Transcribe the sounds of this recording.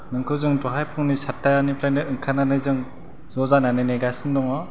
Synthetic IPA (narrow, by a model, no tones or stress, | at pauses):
nɯŋkʰɯzɯŋdoɦajpʰɯŋnisatʰːajanipʰɾanɯɯŋkʰananɯzɯŋ | zozananɯneɡasʰɯndɔŋɔ